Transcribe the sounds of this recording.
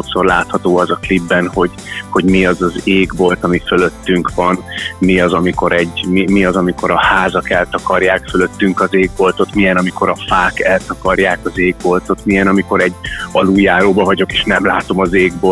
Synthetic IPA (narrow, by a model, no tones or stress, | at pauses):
ʃokso̞rla̰ːt̪hɒt̪oːɒzɒklibːɛnho̞ɟ | ho̞ɟmiɒzɒzeːɡbo̞lt̪ɒmifølø̞t̪ːyŋkʋɒnmiɒzɒmiko̞ɾɛɟːmimiɒzɒmiko̞ɾɒhaːzɒkɛlt̪ɒkɒrjaːkfølø̞t̪ːyŋkɒzeːɡ̚bo̞lt̪o̞t̪mijɛnɒmiko̞ɾɒfaːkɛlt̪ɒkɒrjaːkɒzeːɡ̚bo̞lt̪o̞t̪mijɛnɒmiko̞ɾɛɟːɒluːjaːɾoːbɒvɒɟo̞keːʃnɛmlaːt̪o̞mɒzeːɡbo̞